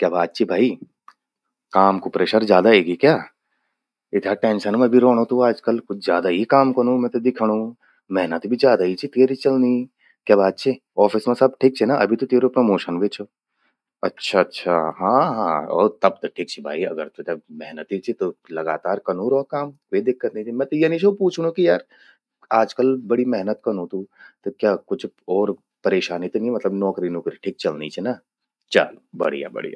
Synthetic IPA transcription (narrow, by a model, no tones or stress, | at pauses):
kjaːbaːt̪̚t͡ʃʰibʱaːi | kaːmkupɾeːʃəɾzjaːd̪aeːɡikjaː | ɪt̪ʰaʈẽːnʃənmẽbʱiɾoːɽ̃ot̪ũaːd͡ʒkəlkʊt͡ʃʰzjaːd̪aɦikaːmkɐnũmɛ̃t̪od̪ɪkʰɽ̃ũ | mɛɦnət̪bʱizjaːd̪ait͡ʃʰit̪eːɾit͡ʃɐlni | kjaːbaːt̪̚t͡ʃʰi | ɔːfʰɪsmẽsɐb̚ʈʰiːk̚t͡ʃʰinaʔɐ̰bʱit̪ot̪eːɾopɾomoːʃənʋet͡ʃʰo | ɐtːʃʰaɐtːʃʰaɦãːɦãːɔ̰ːɾt̪ɐb̚t̪oʈʰiːk̚t͡ʃʰibʱa̰ːiɐ̰ɡəɾt̪od͡ʒɐbmɛɦnət̪it͡ʃʰit̪olɐɡaːt̪aːɾkɐnuːɾɔːkaːm | ʋed̪ɪk̚ʰːɐɾt̪nit͡ʃimɛ̃ːt̪ojɐnit͡ʃʰopuːt͡ʃʰunũkijaːɾ | aːd͡ʒkəlbɐɽimɛɦnət̪kɐnũt̪ut̪okjaːkʊt͡ʃʰɔːɾ | pɐɾeːʃaːnit̪onĩmɐt̪ləbnɔːkɾinoːkɾiʈʰiːk̚t͡ʃɐlnit͡ʃʰɛna | t͡ʃa̰ːlbɐ̰ɽḭja̰bɐ̰ɽḭja̰